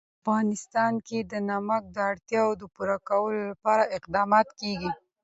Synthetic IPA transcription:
afɣɑnɪst̪ɑnked̪ənamək̚d̪əaɽt̪jɑwod̪əpuɾakawəlolapɑɾaʔɪqd̪ɑmɑt̪keɡi

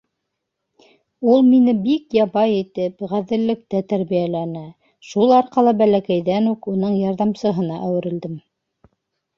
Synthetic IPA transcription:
ulˠminɘbikjɑβɑjit̪ɘpʁæðɘ̆lːɘ̆k̚t̪æt̪æɾβijælænæ | ʃulˠɑɾqɑlˠɤbælækæjðænukunɤɴjɑɾðɑmsɤ̆ɦɤ̆nɑʔæwɘ̆ɾɘ̆ld̪ɘm

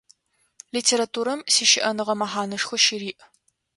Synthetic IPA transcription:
liːtʰeːɾatʰuːɾɐmsiːʃɪʔɐnɨʁɐmɐħaːnɐʂxʷʊʃiɾiːʔ

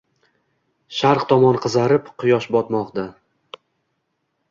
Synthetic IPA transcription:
ʃaɾqt̪ʰɒmɒnqʰɨzaɾɪpqʰʊjɒʃbɒt̪mɒqd̪a

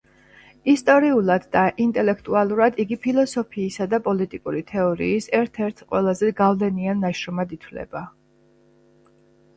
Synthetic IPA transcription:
ist̪ʼɔɾiulˠad̪ːaʔint̪ʼɛlɛkʰt̪ʼualˠuɾad̪iɡipʰilˠɔsɔpʰiːsad̪apʼɔlit̪ʼikʼuɾit̪ʰɛɔɾḭːsɛɾt̪ʰɛɾt̪ʰqʼwɛlˠazɛɡavlɛnianːaʃɾɔmad̪it̪ʰvlɛ̰ba

